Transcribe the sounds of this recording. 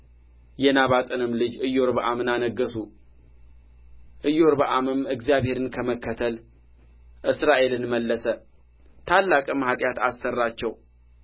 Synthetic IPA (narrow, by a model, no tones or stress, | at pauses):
jɛnaβat̪ʼɨnɨmlɨd͡ʒɨjo̞ɾbəʔamɨnanəɡːəsu | ʔɨjo̞ɾbəʔamɨmɨɡzjaβhe̞ɾɨnkʰəməkʰːət̪ʰəl | ʔɨsɾaʔe̞lɨnməlːəsə | t̪ʰalːakʼmhat̪ʼjat̪asːərːat͡ʃːɛw